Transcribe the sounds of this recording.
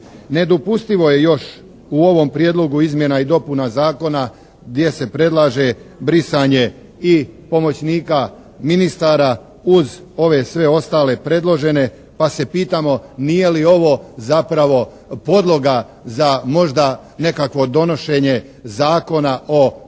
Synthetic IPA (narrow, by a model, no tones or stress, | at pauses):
ne̞d̪opust̪iʋo̞je̞jo̞ʃ | uo̞ʋo̞mpɾjeːd̪lˠo̞ɡuizmje̞naid̪o̞punazaːko̞na | ɡd̪je̞se̞pɾe̞d̪lˠaːʒe̞bɾisaɲe̞ | ipo̞mo̞t͡ɕniːka | minist̪aːɾa | uz | o̞ʋe̞sʋe̞o̞st̪aːle̞pɾe̞d̪lˠo̞ʒe̞ne̞ | pase̞piːt̪amo̞nije̞lio̞ʋo̞zapɾaʋo̞ | po̞d̪lˠo̞ɡa | zamo̞ʒd̪a | ne̞kakʋo̞d̪o̞no̞ʃe̞ɲe̞ | zaːko̞naʔo